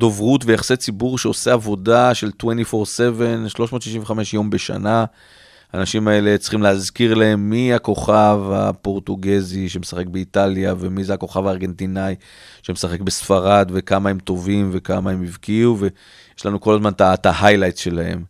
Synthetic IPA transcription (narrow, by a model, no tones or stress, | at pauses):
do̞vʁutvejaχset͡sibuʁʃeo̞seavo̞daʃe̞ltwentifo̞ʁse̞ve̞nʃlo̞ʃmo̞t̪ʃiʃĩɱveχameʃjo̞mbe̞ʃa̰na | aːnaʃimae̞le̞t͡sχimleazkiʁlae̞mːiako̞χava̰po̞ʁtuɡeziʃemesaχe̞k̚beitaljave̞mizeako̞χavaːʁɡe̞ntinaj | ʃemesaχe̞kbe̞sfaʁad̪ve̞kamaemto̞vimve̞kamaemivkiuve | jeʃlanuko̞lazmant̪atahajlajtʃe̞lahe̞̰m